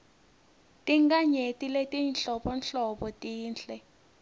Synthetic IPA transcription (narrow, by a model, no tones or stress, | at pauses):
tʼiŋɡaɲetʼiletʼinɬɔpɔnɬɔɓɔtʼiːnɬɛ